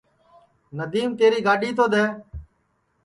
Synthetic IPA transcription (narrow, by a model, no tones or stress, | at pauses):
nəd̪iːmt̪eːɾiːɡaːɖiːt̪oːd̪eː